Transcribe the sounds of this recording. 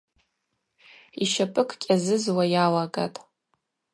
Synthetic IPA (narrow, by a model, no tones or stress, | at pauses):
iʃapʼɨkʰʼkʲʼazɨzwajalaɡa̰tʼ